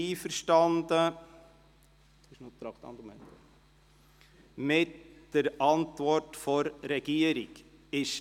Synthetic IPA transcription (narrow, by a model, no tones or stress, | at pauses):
iːfəɾʃtɑnd̪ə | ɪʃnot̪ɾɑkt̪ɑ̰nd̪umɛnt̪ | mɪtd̥əɾɑnt̪ʋɔɾtfɔɾːɛɡ̥iəɾiɡ | ɪʃ